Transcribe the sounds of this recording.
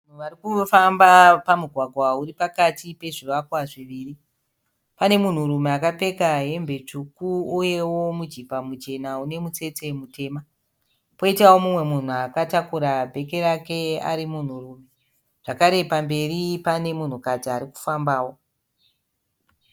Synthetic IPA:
an̤uʋaɾikufambapamuɡʱwaɡʱwauɾipakatipe̞ʐiʋakwaʐiʋiːri | pane̞mun̤urume̞akape̞kaɦe̞mbʱe̞t͡ʂukuuje̞wo̞mud͡ʒipamut͡ʃe̞naune̞mut͡se̞t͡se̞mutʰe̞ːma | po̞itawo̞mumwe̞mun̤uakatakuɾabʱe̞ke̞ɾake̞a̰ɾimun̤uruːme | ʐ̥akaɾe̞pambe̞ripane̞mun̤ukad͡ziaɾiku̥fambaːwo̞

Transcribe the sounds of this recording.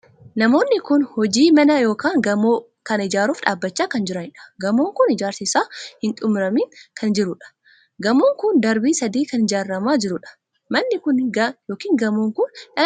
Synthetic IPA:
nɐmo̞ːnːɪkʊnhɔd͡ʒiːmɐnɐjo̞ːkaːŋɡɐmoː | kɐnɪd͡ʒaːɾuːfᶑaːbːɐt͡ʃːaːkɐnd͡ʒɪɾɐnɪᶑɐ̥ɡɐmoːŋkʊnɪd͡ʒaːɾsɪsaːhɪnt̪ʼʊmɾɐmiːkʰɐnd͡ʒɪɾʊᶑɐ̥ | ɡɐmoːŋkʊnd̪ɐɾbiːsɐd̪iːkɐnɪd͡ʒaːrːɐmaːd͡ʒɪɾʊᶑɐ̥ | mɐnːɪkʊnjo̞ːkiːŋɡɐmoːŋkʊnɐ

